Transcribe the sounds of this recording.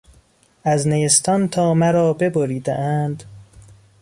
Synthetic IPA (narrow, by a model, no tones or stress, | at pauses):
ʔæznejest̪ʰɒnt̪ʰɒːmæɾɒːbe̞boɾiːd̪æʔænd̪̥